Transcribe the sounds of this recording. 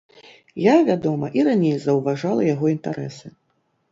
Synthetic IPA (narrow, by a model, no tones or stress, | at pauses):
javʲad̪ɔmɐʔiɾanʲejzɐwvaʐalˠɐjaɣɔint̪aɾɛ̰sɨ